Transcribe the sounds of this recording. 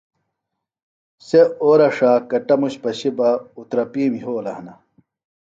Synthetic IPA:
seoːɾɐʂaːkɐʈɐmuɕpɐɕibɐut̪ɾɐpiːmjoːlɐhnɐ

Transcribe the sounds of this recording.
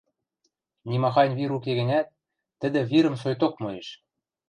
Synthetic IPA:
nʲimɑxɑnʲβiɾukeɣɘ̆nʲæt̪̚ː | ɘ̆d̪ĕβiɾə̆msojt̪ok̚mɤeʃ

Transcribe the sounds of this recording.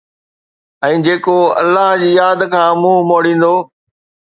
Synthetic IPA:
ɛ̃ːd͡ʑeːkoɐ̰lːaɦd͡ʑiːjaːd̪kʰãːmũːmoːɽĩːn̆d̪oː

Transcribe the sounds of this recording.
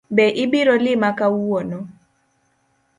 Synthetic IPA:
bɛʔɪbɪɾɔlɪmakawɔnɔ

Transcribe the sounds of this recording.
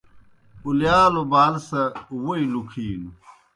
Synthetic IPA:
uljaːlobaːlsɐwoilukʰiːnu

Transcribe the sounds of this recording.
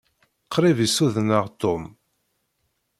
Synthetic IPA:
qʰːɾivisuðnəʁt̪ːom

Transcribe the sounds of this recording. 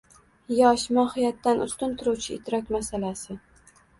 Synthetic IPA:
jɒʃmɒhɪjat̪ːanʔʊ̰st̪ʊnt̪ʰʊɾuwt͡ʃʰɪ̰ːt̪ʰɾɒkʲmasalasɪ

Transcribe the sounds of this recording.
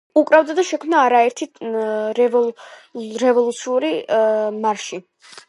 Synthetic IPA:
ukʼɾavd̪ad̪aʃɛkʰmnaːɾaɛɾt̪ʰiɾɛv | ɾɛvɔlˠut̪sʰiuɾimaɾʃi

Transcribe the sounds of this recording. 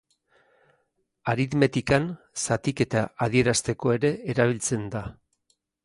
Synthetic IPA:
aɾit̪me̞t̪ikan | sat̪ike̞t̪aaðie̞ɾast̪e̞ko̞e̞ɾe̞ːɾaβ̞ilt͡se̞nd̪a

